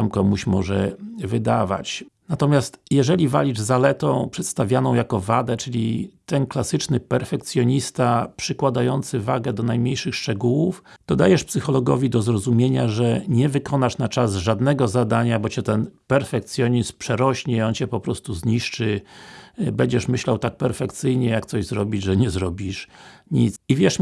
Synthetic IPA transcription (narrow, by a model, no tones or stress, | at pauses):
amkɔmuɕmɔʐɛvɘd̪ava̰t͡ɕnat̪ɔmʲjast̪jɛʐɛlʲiva̰lʲiʐzalɛt̪ɔ̃w̃pʂɛt̪st̪avʲjanɔ̃w̃jakɔvad̪ɛt͡ʂɘlʲit̪ɛnklasɘt͡ʂnɘpɛɾfɛk̚t̪sʲjɔɲist̪apʂɘkwad̪ajɔnt̪sɘva̰ɡɛd̪ɔnajmɲejʂɘxʂt͡ʂɛɡuwuf | d̪̥ɔd̪ajɛʂpsɘxɔlɔɡɔvʲid̪ɔzɾɔzumʲjeɲaʐɛɲɛvɘkʰɔnaʂnat͡ʂazʐad̪nɛɡɔzad̪aɲabɔt͡ɕɛt̪ɛnpɛɾfɛk̚t̪sʲjɔɲispʂɛɾɔɕɲɛɔnt͡ɕɛpɔpɾɔst̪uzɲiʂt͡ʂɘ | bɛɲd͡ʑɛʂmɘɕlawt̪ak̚pɛɾfɛk̚t̪sɘjɲɛjakt̪sɔʑzɾɔbʲid͡ʑʐɛɲɛzɾɔbʲiʂɲit̪sivʲjɛʂ